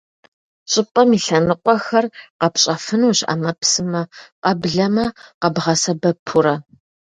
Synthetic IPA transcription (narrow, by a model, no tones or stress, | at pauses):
ɕʼɪpʼɐmiːɬɐnɨqʷɔxɐrqɐpɕʼɐfɨnuːɕa̰mɐpʰsɨmɐqʼɐbɮɐmɐqɐbʁɐsɐbɐpʰʊɾɐ